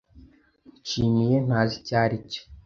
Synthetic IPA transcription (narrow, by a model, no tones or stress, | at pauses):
t͡ʃiɲijen̥azicaːɾice̥